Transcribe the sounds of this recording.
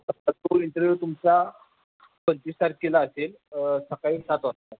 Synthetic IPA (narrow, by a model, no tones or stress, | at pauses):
əat̪oint̪əɾʋut̪umt͡sa | pənt͡ɕ̪isaɾ̚kelaəsel | səkaiːsat̪ʋat̪ːa